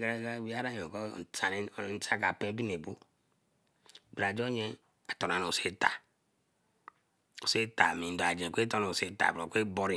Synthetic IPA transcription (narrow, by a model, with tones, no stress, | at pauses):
ɡɾe˦ɡa˦˨wi˦a˦ɾa˦ɲ˨o˨kɔ˦˨ta˨n˦˨˦n̩˦ta˦ka˨pe˦bi˦ne˨bo˦˨ | bɾa˨d͡ʒo˦ɲe˦ | a˨to˨na˨no˨o˨se˦ta̰˨ | o˨se˦ta˨mi˨n˨da˨d͡ʒẽ˨kʷe˦to˦no˨se˦ta̰˨bo˨kʷe˦bo˦ɾi˦